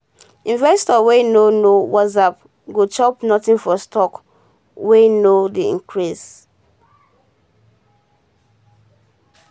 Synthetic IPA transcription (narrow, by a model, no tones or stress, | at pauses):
ĩnvɛstɔwenonowɔzap | ɡot͡ʃɔpnɔtĩnfɔstʰɔk | wenodiḭ̃ŋkʰɹis